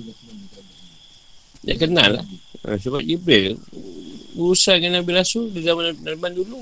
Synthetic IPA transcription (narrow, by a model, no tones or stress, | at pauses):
ja̰kəna̰lːa̰hə̰səbaʔibɾe | buɾusaŋanabiɾasudizamanamandulu